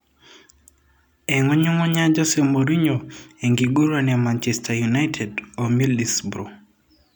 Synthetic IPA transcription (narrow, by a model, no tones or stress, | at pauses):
ɛŋɔɲuŋɔɲad͡ʒɔsemoɾiɲoeŋɡiɡuɾwanɛmant͡ʃɛstʰajunajtʰɛdɔmilisbɾo